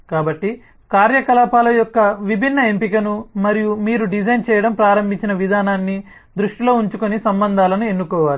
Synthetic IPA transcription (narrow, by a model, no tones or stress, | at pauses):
kaːbɐʈːi | kaːɾjɐkɐlaːpaːlɐjɔkːɐʋibʱinːɐe̞mpikɐnumɐɾijumiːɾuɖid͡ʒʱɐjnt͡ʃɛːjɐɽɐmpɾaːɾɐmbʱiɲt͡ʃinɐʋid̪ʱaːnaːnːi | d̪ɾuʂʈilo̞ːuɲt͡ʃukonisɐmbɐnd̪ʱaːlɐnue̞nːukɔːʋaːɾu